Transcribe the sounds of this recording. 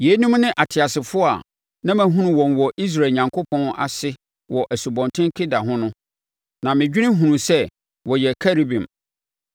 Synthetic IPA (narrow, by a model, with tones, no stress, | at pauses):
je˨˦nũ˦mnɪ̃˦ʔa˨tʰɪ˨a˨sɪ˨fʊ˦a̰˨ | nã˦mæ̃˨ɦũ˦nũ˨wɔ̃˨nwɔ˨ʔi˦s̬ɾa˨ɲã˨ŋkʰo˦pʰɔ̃˦na̰˨sɪ˦ | wɔ˨ʔæ˨su˨bɔ̃˨ntʰɪ̃˦ŋ˦kʰɪ˦da˨ɦʊ̃˦nʊ̃˦ | nã˨mɪ̃˨d͡ʑᶣi˦nɪ̃˦ɦũ˨nũ˨sɛ˦˨ | wɔ˨jɛ˨kʰa˦ɾi˦bĩ˨m